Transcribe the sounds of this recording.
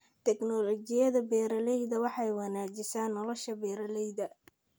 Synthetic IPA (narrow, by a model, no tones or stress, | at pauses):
t̪ʰɛɡnɔlɔt͡ʃɪjɐðɐbɛːɾɐlɛjðɐwɑħɑjwɑnaːt͡ʃɪsaːnːɔlɔʃɐbɛːɾɐlɛjðɐ